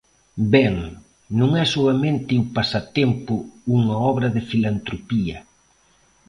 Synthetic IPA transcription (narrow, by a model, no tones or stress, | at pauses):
bɛŋ | nũŋɛsoɐmẽnt̪ɪimpasɐt̪ɛmpʊuŋɐɔβɾɐðɪfilant̪ɾopiɐ